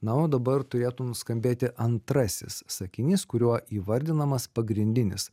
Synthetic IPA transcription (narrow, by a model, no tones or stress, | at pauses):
nɑod̪ɐbɐɾt̪ʊɾʲeːt̪ʊnʊskɐmʲbʲeːt̪ʲɪʔɐnt̪ɾɐsʲɪ̰ssɐkʲɪnʲiːskʊɾʲuɔiːʋɐɾʲd̪ʲɪnɐmɐspɐɡɾʲɪnʲd̪ʲɪnʲɪs